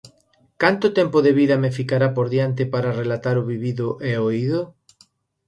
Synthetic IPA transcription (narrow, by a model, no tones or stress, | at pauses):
kant̪ot̪ɛmpoðeβiðɐmefikaɾapoɾðjant̪ɪpaɾarelat̪aɾoβiβiðʊʔeoiðo